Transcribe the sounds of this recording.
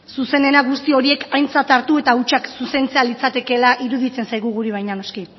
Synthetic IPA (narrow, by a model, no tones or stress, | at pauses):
suse̞ne̞naɣust̪io̞ɾie̞kajnt͡sat̪aɾt̪ue̞t̪aut͡ʃaksuse̞nt͡se̞alit͡sat̪e̞ke̞laʔiɾuðit͡se̞nsajɣ̞uɣ̞uɾiβ̞ajɲano̞ski